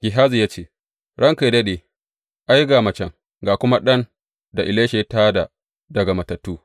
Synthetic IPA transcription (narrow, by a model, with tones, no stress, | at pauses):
ɡ̥ʲɪ˨ɦaː˦zi˨jaː˦t͡ʃeː˦˨ | ɽɐ˦ŋka˨dɐ˦ɗeː˨ | ʔa˦jɡaː˨mɐ˨t͡ʃɛ˨ŋ | ɡaː˨kʷʊ˦ma˦ɗɐ˦n | da˨ʔɪ˨leː˦ʃe˨˦taː˦da̰˨ | dɐ˨ɡa˨mɐ˨tɐ˨tːuː˦